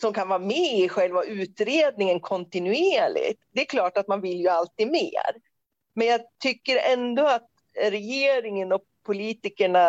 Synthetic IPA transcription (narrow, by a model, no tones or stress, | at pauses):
sɔmkʰanvɑːɾmɛɪɧɛlvaʔʉ̟ːt̪ɾeːd̪nɪŋənkʰɔnt̪ɪnʉeːɭɪ̰t̪d̪ɛːkʰlɑːʈat̪̚manvɪljɵalt̪iːd̪mḛːɾ | mɛnjɑːɡt̪ʰʏkːəɾɛnd̪oːat̪ | ɾɛjeːɾɪŋənɔ | pʰːʊliːt̪ɪkəɳa